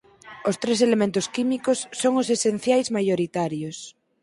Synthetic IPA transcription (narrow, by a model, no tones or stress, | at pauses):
ost̪ɾes̬elemẽnt̪oskimikosːoŋosesen̟θjajzmajoɾit̪aɾjos